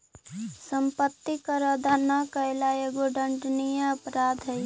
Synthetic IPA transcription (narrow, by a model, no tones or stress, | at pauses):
səmpət̪ːikəɾəd̪ʱanəkəelaeɡoɖʱəɳɖnijəəpɾad̪ʱɦəj